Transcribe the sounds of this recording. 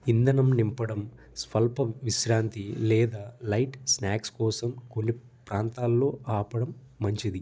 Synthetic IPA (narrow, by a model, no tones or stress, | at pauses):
ind̪ɐnɐmnimpɐɽɐm | spɐlpɐmʋiʃɾaːnt̪ilɛːd̪aːlɐjʈsnaːkskɔːsɐmko̞nːi | pɾaːnt̪aːlːo̞ːʔaːpɐɽɐmː | ɐɲt͡ʃid̪i